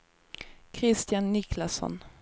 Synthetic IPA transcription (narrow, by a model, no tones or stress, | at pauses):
kʰɾɪst̪janːɪkʰlasɔ̰n